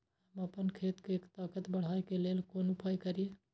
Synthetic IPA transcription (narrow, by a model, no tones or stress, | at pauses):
həməpənkʰeːt̪keːkt̪aːkət̪bəɽ̤aːekelelkonupʰəjkəɾije